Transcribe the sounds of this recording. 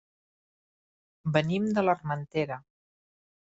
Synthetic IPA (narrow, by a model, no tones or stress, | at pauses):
bənimd̪ələrmənt̪eɾə